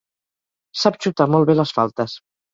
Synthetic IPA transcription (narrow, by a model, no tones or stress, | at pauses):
sapt͡ʃut̪amɔlˠβeləsfa̰lˠt̪əs